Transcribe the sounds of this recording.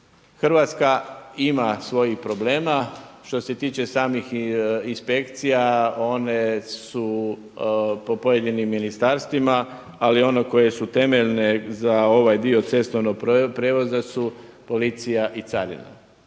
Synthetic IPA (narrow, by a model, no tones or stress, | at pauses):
xrɾ̩ʋat̪skaimasʋo̞jixpɾo̞ble̞ːmaʃt̪o̞se̞t̪iːt͡ʃe̞saːmixinspe̞kt̪sijao̞ne̞su | po̞po̞jed̪inimːinist̪aɾst̪ʋima | alio̞ne̞ko̞je̞sut̪e̞me̞ʎne̞zao̞ʋajd̪io̞t̪se̞st̪oʋnoɡ̚ppɾeːʋo̞zasupo̞lit̪sijaʔit̪saɾḭna̰